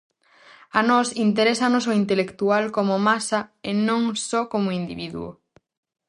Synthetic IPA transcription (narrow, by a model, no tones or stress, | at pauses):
anɔsint̪eɾesanosoint̪elekt̪ualkomomasaenõŋsɔkomoind̪iβiðṵo̰